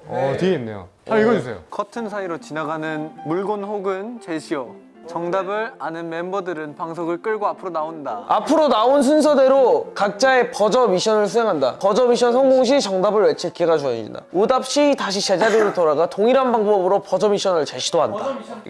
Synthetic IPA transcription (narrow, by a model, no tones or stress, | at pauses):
ʌteenːḛjo̰ | aiɡʌd͡ʑusʰḛjo̰kʌtʰɯnsʰaiɾot͡ɕinaɡanɯnmuɭɡonɸoɡɯnt͡ɕeɕʰiʌ | t͡ɕʌŋdabɯɾanɯnme̞mbʌdɯɾɯnpaŋs̬ʰoɡɯɭk͈ɯɭɡoapʰɯɾonaondaa̰pʰɯɾonauns̬ʰuns̬ʰʌde̞ɾokak̚t͡ɕ͈ae̞pʌd͡ʑʌmiɕʰʌnɯɭsʰuse̞ŋɦanda̰pʌd͡ʑʌmiɕʰʌnsʰʌŋɡoŋɕ̬ʰit͡ɕʌŋdabɯɭwet͡ɕʰik͈ʰeɡad͡ʑued͡ʑḭnda̰udap̚ɕ͈ʰitaɕʰit͡ɕe̞d͡ʑaɾiɾɯɭtoɾaɡatoŋiɾanbaŋbʌbɯɾopʌd͡ʑʌmiɕʰʌnɯɭt͡ɕeɕʰidoɦanda̰